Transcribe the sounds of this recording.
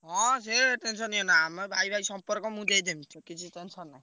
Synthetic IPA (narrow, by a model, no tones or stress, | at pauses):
ɦɔ̃seʈensɔnionaamɔbʱajbʱaisɔmpɔɾkɔmũd̪ejd̪emt̪ʰukit͡ʃʰiʈensʰɔna